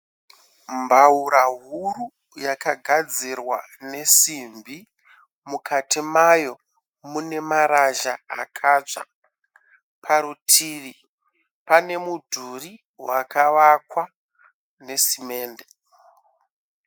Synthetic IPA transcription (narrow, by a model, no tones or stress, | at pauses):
mbauɾaɦuɾu | jakaɡʱad͡zirwa̰ | ne̞simbʱi | mukatimajo̞ | mune̞maɾaʒaa̰kʰaːʐa̰ | pʰaɾutʰiːri | pane̞mudʱuri | wakaʋakwa | ne̞sime̞ːnde